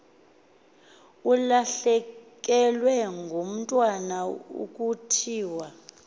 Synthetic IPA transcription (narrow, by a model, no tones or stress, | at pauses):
ulaɬɛk̬ʼɛlwɛŋɡʱom̩tʼwanaṵk̬ʼutʰiːwa